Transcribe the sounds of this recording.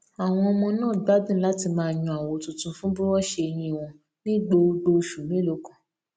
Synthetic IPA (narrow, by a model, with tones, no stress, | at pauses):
a˨w̃ɔ̃˧ɔ˧mɔ̃˧nãː˦˨ɡ͡ba˨˦dĩ˦la˦ti˧mãː˧˨jũ˧a˨wo˧tũ˧tũ˧fũ˦bu˦wɔ˦˨ʃe˧j̃ĩ˧i˨w̃ɔ̃˧ | nĩ˦ɡ͡bo˧ɡ͡bo˧ʃu˨mẽ˨˦lo˧˨kã˨